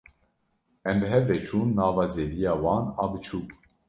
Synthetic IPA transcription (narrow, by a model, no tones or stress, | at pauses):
ɛmbɨɦɛvɾɛt͡ʃʰuːnːɑːvɑːzeːvijɑːwɑːnɑ̰ːbɨt͡ʃʰuːk